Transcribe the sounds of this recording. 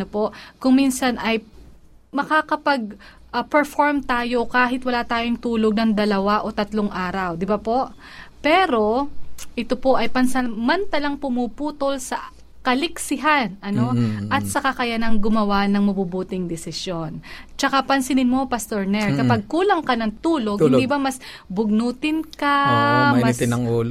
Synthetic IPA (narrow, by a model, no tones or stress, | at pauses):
opo̞ʔkʊŋminsɐnɐj | mɐkaːkɐpɐɡ̚ | ʔɐpɛɹfoɹmt̪aːjo̞kaːɦɪt̪wɐlaːt̪aːjoŋt̪uːloɡ̚nɐŋd̪ɐlɐwaʔo̞t̪ɐt̪loŋʔaːɾɐwd̪ɪbapo̞ʔ | pɛːɾo̞ʔɪt̪opo̞ʔɐjpɐnsɐmɐnt̪ɐlɐŋpʊmuːpuːt̪olsɐ | kɐlɪksɪɦanʔɐno̞ʔɐt̪̚sɐkɐkɐjanɐŋɡʊmɐwanɐŋmɐbubuːt̪ɪŋd̪ɛsɪsjo̞nt͡ʃɐkapɐnsɪnɪnmo̞pɐst̪oɹnɛɹkɐpɐɡ̚kuːlɐŋkɐnɐŋt̪uːlo̞ɡɪ̃nd̪ibamɐs | bʊɡ̚nuːt̪ɪnkɐmt̪ɪnɐŋuːl